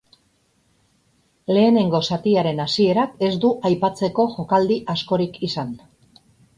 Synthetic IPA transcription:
le̞ːne̞ŋɡo̞sat̪iaɾe̞nasie̞ɾake̞zd̪uʔajpat͡se̞ko̞ʝo̞kald̪iʔasko̞ɾikʰisan

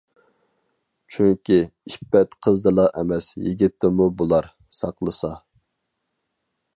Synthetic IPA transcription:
t͡ʃʰyŋkʲiipːɛt̪qʰəzd̪ɨlˠɑʔɛmɛsjiɡʲit̪ʰːɪmubolˠɑɾ | sɑqlˠəsɑ

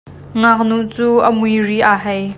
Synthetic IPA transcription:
ŋak̚nuʔt͡suːʔəmujriʔaːɦɛj

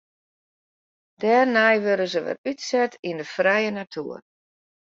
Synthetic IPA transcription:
d̥ɛːrnɛjʋøɾəzəʋə̰ytsɛtindəfrɛjənatʰṵːər

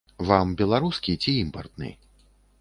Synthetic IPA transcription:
vambʲɛlˠaɾuskʲit͡sʲiimpɐrt̪nɨ̰

